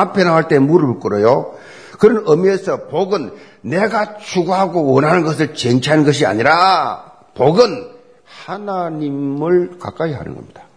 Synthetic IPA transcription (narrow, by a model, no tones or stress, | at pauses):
apʰe̞nawaɭt͈e̞muɾɯɭk͈ɯɾʌjo | kɯɾʌnʌmiesʰʌpoɡɯnː | e̞ɡat͡ɕʰuɡuɦaɡowʌnɦanɯnɡʌs̬ʰɯɭt͡ɕeŋt͡ɕʰanɯnɡʌɕ̬ia̰ɲiɾa | poɡɯn | hanaɲimmɯɭkak͈aiɦa̰nɯ̰nɡʌ̰mɲid̥ḁ